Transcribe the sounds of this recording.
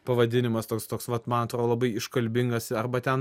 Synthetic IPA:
pɐʋɐd̪ʲɪnʲɪmɐst̪oːkst̪oːksʋɐt̪mɐnɐt̪ɾoːd̪lˠɐbɐɪɪʃkɐlʲbʲɪŋɡɐsɐɾbɐt̪ʲɛn

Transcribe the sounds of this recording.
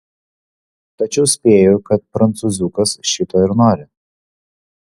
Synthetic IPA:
t̪ɐt͡ʃʲɛʊsʲpʲeːjokɐt̪̚pɾɐnt̪suzʲukɐsʃʲɪt̪oɪɾnoːɾʲɪ

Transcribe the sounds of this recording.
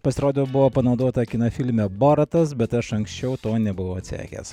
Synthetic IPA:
pɐsʲɪɾoːd̪ʲoːbʊʋoːpɐnɒʊd̪oːt̪ɐkʲɪnɐfʲɪlʲmʲɛboːɾɐt̪ɐsbʲɛt̪ɐʃɐŋksʲt͡ʃʲɛʊt̪oːnʲɛbʊʋoɐt̪ʲsʲæ̰ːkʲḛs

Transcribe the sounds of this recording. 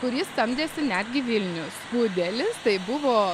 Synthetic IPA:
kʊɾʲjɪst̪ɐmʲd̪ʲeːsʲɪnʲæd̪ʲɡʲɪʋʲɪlʲnʲʊsbuːd̪ʲelʲɪst̪ɐɪbʊʋoː

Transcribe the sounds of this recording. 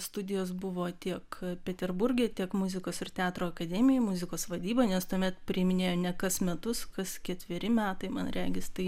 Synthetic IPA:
st̪ʊd̪ʲɪjoːs̬bʊʋoːt̪ʲiɛkpʲɛt̪ʲɛrbʊɾʲɡʲeːt̪ʲiɛkmʊzʲɪkoːsɪrt̪ʲɛɑːt̪ɾoːɐkɐd̪ʲɛːmʲɪjɛmʊzʲɪkoːsʋɐd̪ʲiːbɐːnʲɛst̪uɔmʲɛt̪pʲɾʲɪmʲɪnʲeːjoːnʲɛkɐsmʲɛt̪ʊskɐskʲɛt̪ʲʋʲɪɾʲɪmʲæːt̪ɐɪmɐ̰nɾʲæːɡʲɪst̪ɐɪ

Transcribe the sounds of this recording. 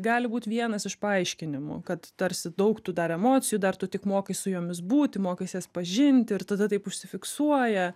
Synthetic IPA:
ɡɑːlʲɪbuːt̪ʲʋʲiɛnɐsɪʃpɐɐɪʃʲkʲɪnʲɪmʊ̰kɐt̪t̪ɐɾʲsʲɪd̪ɐʊkt̪ʊd̪ɐɾɛmoːt͡sʲɪjuːd̪ɐrt̪ʊt̪ʲɪkmoːkɐɪsʊjoːmʲɪsbuːt̪ʲɪmoːkɐɪsʲeːspɐʒʲɪnʲt̪ʲɪrt̪ɐd̪ɐt̪ɐɪpʊʃʲsʲɪfʲɪksuɔjɛ

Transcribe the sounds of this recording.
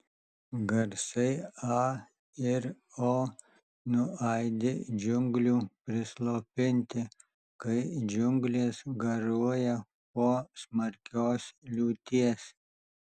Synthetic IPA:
ɡɐɾsɐɪɑː | ɪɾ | oː | nʊɑːjd̪ʲɪd͡ʒʊŋɡlʲuːpʲɾɪslˠoːpʲɪnʲt̪ʲɪ | kɐɪd͡ʒʊŋɡlʲeːsɡɐɾuɔjɛ | poːsmɐɾʲkʲoːslʲuːt̪ʲiɛs

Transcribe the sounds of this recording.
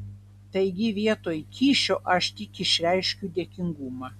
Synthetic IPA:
t̪ɐɪɡʲɪʋʲiɛt̪oːjkʲʰiːʃʲoːʔɐʃt̪ʲɪkɪʃʲɾʲæɪʃʲkʲud̪ʲeɛkʲɪŋɡuːmɑ

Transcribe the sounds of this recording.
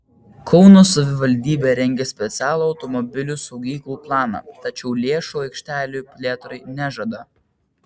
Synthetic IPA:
kʰɒʊnoːsɐʋʲɪʋɐlʲd̪ʲiːbʲeːɾʲɛŋʲɡʲɛsʲpʲɛt̪sʲæːlˠuːɒʊt̪ɔmɔbʲɪlʲusɒʊɡʲiːklˠuːplˠɑːnɑ̰ːˑt̪ɐt͡ʃʲɛʊlʲeːʃuːɐɪkʃʲt̪ʲæːlʲupʲlʲeːt̪ɾɐɪnʲæʒɐd̪ɐ

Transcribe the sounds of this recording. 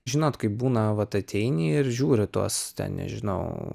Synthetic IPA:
ʒʲɪnoːt̪kɐɪp̚buːnɐʋɐt̪ɐt̪ʲʰɛɪnʲiːɪrʒʲuːɾʲɪt̪uɔst̪ʲɛ̰nnʲɛ̰ʒʲɪnɐ̰ʊ

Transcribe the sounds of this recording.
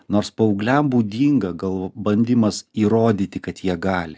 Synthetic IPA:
noːɾspɐʊːɡlʲɛmbuːd̪ʲiːŋɡɐɡɐlˠbɐnʲd̪ʲɪmɐsiːɾoːd̪ʲiːt̪ʲɪkɐt̪jiɛɡɑːlʲɪ

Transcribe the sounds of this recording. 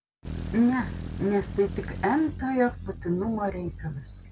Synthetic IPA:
nʲɛnʲɛst̪ɐɪt̪ʲɪkɛmt̪oːjopʊt̪ʲɪnʊmoːɾʲɛɪkɐlʲˠʊs

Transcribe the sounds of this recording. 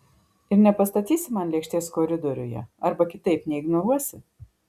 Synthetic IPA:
ɪɾnʲɛpɐst̪ɐt̪ʲiːsʲɪmɐnlʲɛkʃʲt̪ʲeɛskoɾʲɪd̪ɔɾʲʊjɛ̰ɐɾbɐkʲɪt̪ɐɪpnʲɛɪɡnoɾuɔsʲɪ

